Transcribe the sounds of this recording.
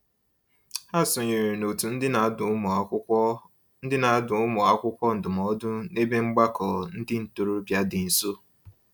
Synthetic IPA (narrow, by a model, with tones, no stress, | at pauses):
ha˦sʊ˨ɲe˨ɾi˨no˨tu˨n̩˦dɪ˦n˨˦˨ | n̩˦dɪ˦na˨˦dʊ˨˦mɔ˨a˦kʷʊ˦kʷɔ˦n̩˨dʊ˨mɔ˦dʊ˦ne˦be˦ŋ͡m̩˦ɡ͡ba˦kɔ˨n̩˦dɪ˦n̩˨to˨ɾu˦bja˦dɪ˨n̩˨so˦